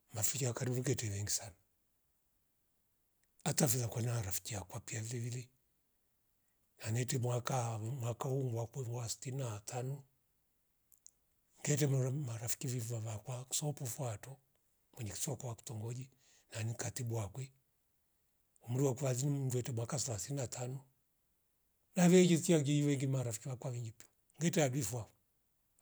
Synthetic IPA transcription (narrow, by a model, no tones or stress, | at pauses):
mafikiakaɾiβuɡɛtɛβɛŋɡisana | atafizakwanaɾafi̥kiakwapiavilɛvilɛ | nanɛtɛmwakamwakauŋɡwakwɛŋwasi̥tinatanɔ | ŋɡɛt̬ɛmmaɾafi̥kiviavakwaksɔpufwatɔ | mwɛɲɛki̥sakwaku̥tɔŋɡɔd͡ʒi | nanikatibuakwɛ | umuɾiwakuwaziniduɛtɛmwakasalasininatʰanɔ | navɛd͡ʒiskiaɡid͡ʒiwɛŋɡimaɾafi̥kiwakwaviŋɡip | ŋɡɛtɛadwifwa